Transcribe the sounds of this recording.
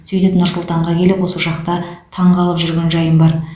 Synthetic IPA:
sɵjt̪ɪpnʊɾsʊlˠt̪ɑɴʁɑkʲʰe̞lɪpwo̞səʒɑqt̪ɑt̪ʰɑɴʁɑlˠəpʒʏɾɡʲe̞nʒɑjənbɑɾ

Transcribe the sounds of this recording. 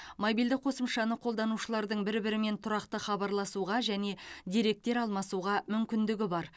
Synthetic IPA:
mobijld̪ɪk̚qʰo̞səmʃɑnəqʰo̞lˠd̪ɑnuʃəlˠɑɾd̪əɴbɪɾbɪɾɪme̞nt̪ʰʊɾɑqt̪əχɑbɑɾlˠɑsuʁɑʒæne̞d̪eɾe̞k̚t̪e̞ɾɑlˠmɑsuʁɑmʏmkʲɪnd̪ɪɡʲɪbɑɾ

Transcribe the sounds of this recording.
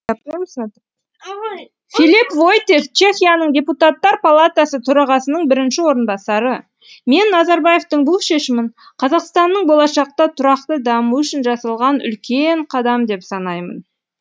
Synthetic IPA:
pms | filipvo̞jt̪e̞ft͡ʃʰe̞xʲijanəɴdʲe̞put̪at̪ːɑɾpalˠat̪asət̪ʰʊɾɑʁɑsənəɴbɪɾɪnʃɪwo̞ɾənbɑsɑɾə | me̞nːɑzɑɾbaje̞ft̪əɴbʊlˠʃe̞ʃɪmɪɴ | qʰɑzɑqst̪ɑnːəɴbo̞lˠɑʃɑq̚t̪ɑt̪ʰʊɾɑqt̪əd̪ɑmuʏʃɪnʒɑsɑlˠʁɑnʏ̰lkʲe̞ɴqʰɑd̪ɑmd̪e̞psɑnɑjmə̰n

